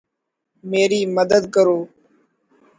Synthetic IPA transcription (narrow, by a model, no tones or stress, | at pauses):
meːɾiːməd̪əd̪kəɾoː